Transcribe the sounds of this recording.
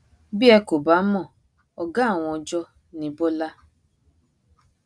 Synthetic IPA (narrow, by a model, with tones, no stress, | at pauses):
bi˦ɛ˧ko˨ba˨˦mɔ̃˦˨ | ɔ˨ɡã˦˨w̃ɔ̃˧ɔ˧d͡ʒɔ˦ | nĩ˨˦bo˦la˦